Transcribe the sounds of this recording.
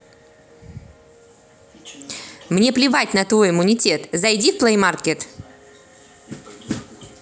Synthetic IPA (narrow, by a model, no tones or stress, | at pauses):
mnʲe̞plʲɪvatʲnɐt̪vo̞jɪmʊnʲɪtʲe̞t̪zɐjdʲifplˠejmarkʲet̪